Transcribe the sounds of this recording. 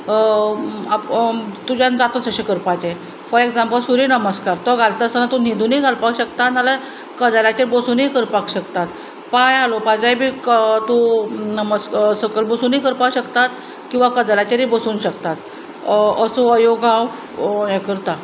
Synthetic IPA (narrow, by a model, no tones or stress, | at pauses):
apt̪ud͡ʑand͡zat̪ət͡səɕekəɾpat͡ɕe | fəɾeɡd͡zãmpəlsuɾiːnəməskaɾt̪ɔɡʱalt̪əsənat̪unid̪ʱuniɡʱalpakɕəkt̪analə | kəd͡zalat͡ɕeɾbəsuːnikəɾpakɕəkt̪at̪ | pajalopad͡zajbʱiːkt̪unəməssəkəlbəsuːniːkəɾpauɕəkt̪at̪ | kĩw̃ʋakəd͡zalat͡ɕeɾibəsuːnɕəkt̪at̪ | əsoəjoɡãw | jɛ̃kəɾt̪a